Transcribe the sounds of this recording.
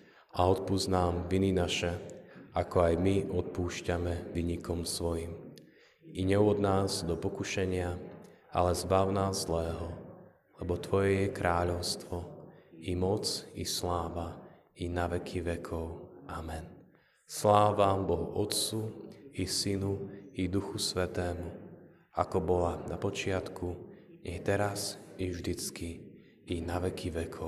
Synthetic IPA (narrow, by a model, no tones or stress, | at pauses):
aɔt̪puznaːmʋininaʃɛakɔajmiʔɔt̪̚puːʃcamɛʋiɲikʰɔmsʋɔjim | iɲɛɔd̪naːzd̪ɔpɔkuʃɛɲɪa | ʔa̰lɛzbaʊnaːzzlɛːɦɔ | lɛbɔt̪ʋɔjɛjɛkɾʔaːʎɔʊst̪ʋɔimɔt͡sislaːʋa | inaʋɛkʰiʋɛkʰɔʊʔamɛn | slaːʋabɔlʔɔt̪t͡suisinuid̪uxusʋɛt̪ɛːmu | a̰kɔbɔlanapɔt͡ʃɪat̪kʰuɲɛt̪ɛɾasivʒd̪it͡skiː | naʋɛkʰiʋɛkʰɔ